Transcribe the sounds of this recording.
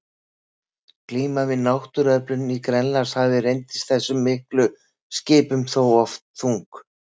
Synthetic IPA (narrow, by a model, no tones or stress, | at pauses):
kliːmavɪðnawht̪ʏɾœplʏnikɾɛnlaɾshavɪrejnt̪ɪ̥st̪θɛsːʏmːɪhklʏ | scɪːpʏmθowɔft̪̚θuŋk